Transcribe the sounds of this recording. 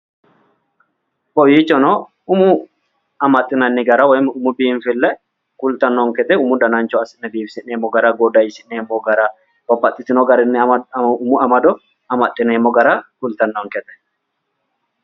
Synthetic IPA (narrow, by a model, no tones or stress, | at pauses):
kɔjiːt͡ʃːɔnɔ | ʊmʊ | ɐmɐt̪ʼːɪnɐnːɪɡɐɾawɐjmʊmʊbiːɱfɪlːɛ | kʊlt̪ɐnːɔŋkɛt̪ʼɛʊmʊd̪ɐnant͡ʃɔɐsɪʔnːɛbiːfsɪnneːmːɔɡɐɾaːɡod̪ɐjɪsɪnneːmːɔɡɐɾaː | bɔpːɐt̪ʼːɪt̪ɪnɔɡɐɾɪnːɪʊmʊɐmɐd̪ɔ | ɐmɐt̪ʼːɪneːmːɔɡɐɾaːkʊlt̪ɐnːɔŋkɛt̪ʼɛ̥